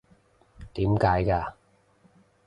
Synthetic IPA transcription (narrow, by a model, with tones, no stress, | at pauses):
t̪iː˨˥mkaː˨˥jkaː˧